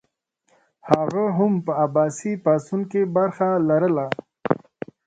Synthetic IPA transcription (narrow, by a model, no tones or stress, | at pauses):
haɣaɦʊmpəabɑsipasunkebaɾxalaɾəla